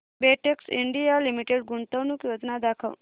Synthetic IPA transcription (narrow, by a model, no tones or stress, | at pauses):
beʈeksɪ̰ɳɖijalimiʈeɖɡuɳt̪əʋnũkjod͡ʒnad̪akʰəl